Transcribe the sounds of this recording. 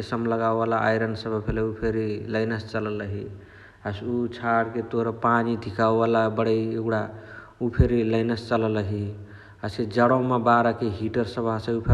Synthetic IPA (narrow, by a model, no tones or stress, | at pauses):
esəmləɡawbalaʔajɾənsəbʱpʰeleupʰeɾiləɪnəst͡ʃələləɦi | əsut͡ʃʰaɽket̪oɾəpanid̪ʱikawbalabəɽəjeɡɽa | upʰeɾiləɪnəst͡ʃələləɦi | əsked͡ʒəɽomebaɾəkeɦiʈəɾsəbʱasəupʰe